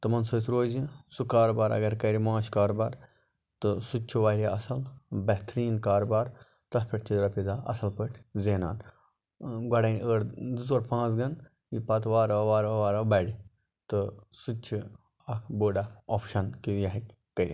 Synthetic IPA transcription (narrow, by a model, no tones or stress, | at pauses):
t̪ɨmɐnsoːt̪ʰɾoːzĩsukaːɾobaːɾɐ̰ɡɐɾkɐɾimãːt͡ʃkaːɾobaːɾ | t̪ɨsut͡ʃʰuʋaːɦiɐsɐlbɐht̪ɾiːnkaːɾobaːɾ | t̪ɐpʰʲɐʈʰʲt͡ʃʰid̪ɾɐpid̪aʔɐ̰sɐlpəʈʰzeːna̰ːn | ɡɐɽɐnʲəːɾd̪ɨzoɾpʰãːt͡sɡɐn | jipɐt̪ʋaːɾɐʋaːɾɐʋaːɾɐbɐɽi | t̪ɨsut͡ʃʰi | ɐboːɖaɔfʃɐnkijɐɦikʲːɐɾʲḭ